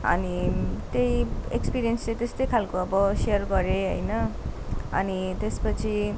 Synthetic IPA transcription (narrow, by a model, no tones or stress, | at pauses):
ʌ̰nit̪ejekspiɾijʌnslet̪est̪ʌjkʰalkoʌbʌsejʌrɡʌɾeɦʌjnʌ | ʌ̰nit̪espʌt͡sʰi